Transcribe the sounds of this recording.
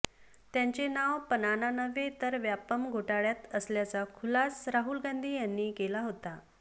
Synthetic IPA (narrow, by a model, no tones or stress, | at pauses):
t̪jaɲt͡senaʋpənananəʋet̪əɾʋjapəmɡʱoʈaɭjat̪əsljat͡sakʰulasɾaɦuːlɡãnd̪ʱiːjanːiːkelaɦot̪a